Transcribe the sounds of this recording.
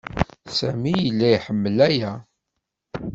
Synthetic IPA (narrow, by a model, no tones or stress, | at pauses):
sæmijəlːæjħəmːəlæjæ